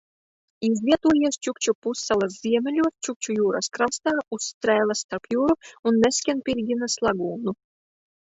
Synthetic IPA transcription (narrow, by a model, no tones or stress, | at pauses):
izlʲiɛt̪uɔjiɛst͡ʃukt͡ʃupusːalˠasz̥ʲiɛmʲelʲuɔst͡ʃuk̚ʲt͡ʃujuːɾaskɾast̪aːust̪ɾɛːlˠast̪aɾpjuːɾuunːesʲkʲænpʲiɾɡʲinaslˠaɡuːnu